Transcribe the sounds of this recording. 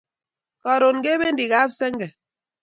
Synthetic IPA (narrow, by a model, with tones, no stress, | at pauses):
kɔ˨ɾo˨nɡe˦be˦n̩˦di˨ɣa˨˦bse˦ŋ̩˦ɡɛ˨